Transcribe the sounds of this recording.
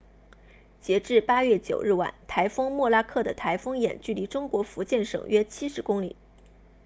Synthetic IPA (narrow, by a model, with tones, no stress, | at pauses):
t͡ɕjɛ˧˥ʈ͡ʂɻ̩˥˩pa˥ɥɛ˥˩t͡ɕjo˨˩ʊɻ̩˥˩wa̰˨˩˦nt̪ʰa˧˥ɪfɤ˥ŋmwɔ˥˩la˥kʰɤ˥˩d̪ə˩t̪ʰa˧˥ɪfɤ˥ŋjɛ˨˩nt͡ɕy˥˩li˧˥ʈ͡ʂʊ˥ŋkwɔ˧˥fu˧˥t͡ɕjɛ˥˩nʂɤ̰˨˩ŋɥɛ˥t͡ɕʰi˥ʂɻ̩˧˥kʊ˥ŋlḭ˨˩˦